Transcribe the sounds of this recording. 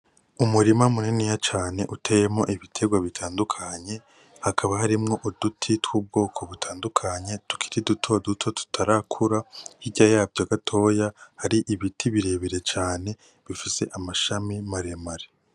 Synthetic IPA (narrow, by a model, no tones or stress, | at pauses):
umuɾimamuninijat͡ʃaːne̞ʔuteje̞mo̞̰ʔiβitʰe̞ɡwaβitʰaːndukʰaɲe̞ | hakʰaβahaɾimŋo̞ʔud̥utʰitwuːb̚ɡo̞ːkʰo̞βutʰaːndukʰaɲe̞tu̥kʰi̥ɾidutʰo̞dutʰo̞tu̥tʰaɾakʰuɾahiɟajaːbɟoɡatʰo̞jahaɾiʔiβitʰiβiɾe̞ːβeɾe̞t͡ʃaːne̞ | βifise̞ʔamaʃamimaɾe̞maɾe